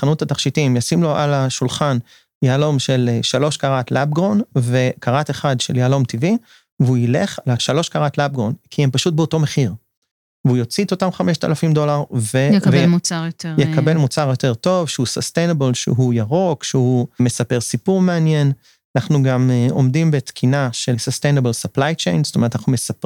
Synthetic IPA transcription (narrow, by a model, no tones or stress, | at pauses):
χanutataχʃitimjasimlo̞ʔalaʃulχan | jaːlo̞mʃe̞lʃalo̞ʃkaʁatlab̚ɡʁo̞nve̞kʰaʁateχadʃeljaːlo̞mtivi | veuileχlaʃalo̞ʃkaʁatlab̚ɡʁonkʰiempaʃut̚beo̞to̞meχiʁ | veujo̞t͡sit̪otamχameʃta̰lafimdo̞laʁvejvmuajotjekabe̞lmut͡saʁjo̞t̪e̞ʁto̞vʃeusost̪ejnebelʃḛɦujaʁo̞kʃehume̞sape̞ʁsipuʁmeanjen | anaχnuɡamo̞̰mdimbe̞t̪kʰinaʃesostejnebelsaplajt͡ʃḛjnst̪omeʁtanaχnumesap